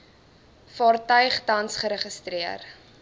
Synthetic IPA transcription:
fɑːrtœɥχdɐnsχəɾəχəstɾiər

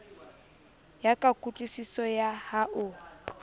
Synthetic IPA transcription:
jakʼakʼut͡ɬʼisisɔjahaʔʊ

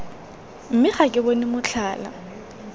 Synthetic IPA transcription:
m̩mɪχakʼɪbɔnɪmʊt͡ɬʰaːla̰

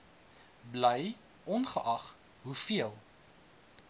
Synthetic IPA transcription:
bləj | ʔɔnχəʔɐχ | ɦufiəlˠ

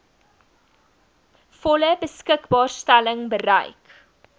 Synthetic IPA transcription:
fɔləbəskəkbɑːrstæləŋbəɾɛ̰jk

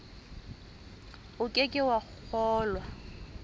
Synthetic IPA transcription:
ʊkʼekʼɪwaχʊk͡xʰɔːlwa

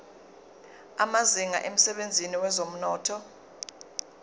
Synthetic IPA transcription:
amaziŋa̰ʔem̩sɛɓend͡zʱiniwɛzom̩nɔːtʰɔ

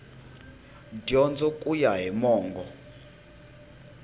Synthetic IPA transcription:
djɔnd͡zɔkʼujaɦimɔːŋɡɔ

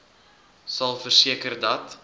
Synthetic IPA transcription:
sɐlˠfərsiəkərdɐt

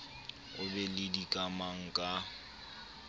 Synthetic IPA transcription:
ʊbɛlɪdikʼamaŋ̩kʼa

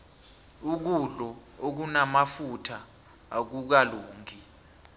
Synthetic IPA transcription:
uk̬uɮɔ | ok̬unamafutʰaː | k̬uk̬aloːŋʱi

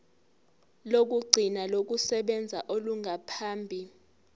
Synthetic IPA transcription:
lok̬uɡ͡ǀʱinalok̬usɛɓɛnd͡zʱaʔoluŋʱapʰaːmbʱi

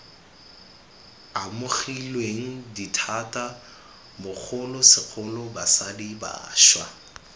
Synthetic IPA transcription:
amʊχilweŋ̩ditʰata | mʊk͡xʰʊlʊsɪk͡xʰʊlʊbasadiba̰ːʃwa̰

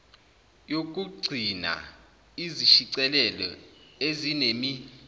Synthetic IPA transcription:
jok̬ʼuɡ͡ǀʱina̰ | iziʃiǀɛlɛlɔ̰ezinemi

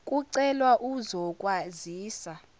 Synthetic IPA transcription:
kʼuǀɛlwaʔuzɔkʼwaziːsa

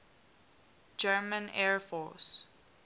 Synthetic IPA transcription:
d͡ʒɜːmə̃nɛɹfɔs

